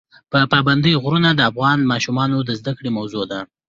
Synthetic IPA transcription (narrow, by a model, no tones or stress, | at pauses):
pəpɑband̪əjɣɾunad̪əafɣɑnmɑʃumɑnod̪əzd̪akɽemawzod̪a